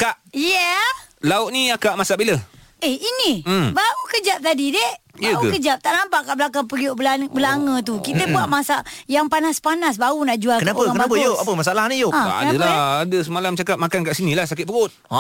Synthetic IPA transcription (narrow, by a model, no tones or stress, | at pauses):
kaʔjɛlaʊt̪̚niakaʔmasaʔbilə | ehinibaɣukəd͡ʒap̚t̪adidehjaɣukəd͡ʒap̚t̪aʔnampaʔkaʔbəlakaŋpəlioʔbəlaŋət̪ukit̪əbuaʔmasaʔjaŋpanaspanasbaɣunaʔd͡ʒualkənapəakəbapəjoʔapəmasaalahnijoʔaanadəlaadəsəmalamt͡ʃakap̚makankaʔsinĩlahsakɪt̪̚pəɡʊt̪̚